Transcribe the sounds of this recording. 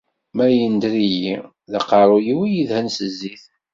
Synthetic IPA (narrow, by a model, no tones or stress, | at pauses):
mæjənd̪ɾiji | ðəqːɑɾˤujiwijiðhænsəzːiθ